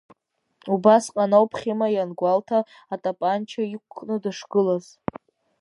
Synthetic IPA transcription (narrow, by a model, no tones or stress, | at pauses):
ubasqʼanowpʰχʲimajanɡʷaltʰaː | tʼapʼant͡ʃʰaikʷʰːnɨdɨʂɡ̥ɨlaz̥